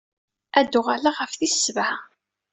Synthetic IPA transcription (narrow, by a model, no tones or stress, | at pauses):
æd̪ːʊʁalaʁəfθisvʕ